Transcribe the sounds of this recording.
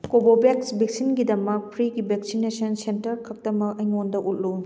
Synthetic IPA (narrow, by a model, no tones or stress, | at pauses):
kobobeksbek̚sinɡidɐmɐk̚pʰɾiɡibek̚sinesɐnsentɐɾkʰɐk̚tɐmɐkɐjŋondɐʔut̚lu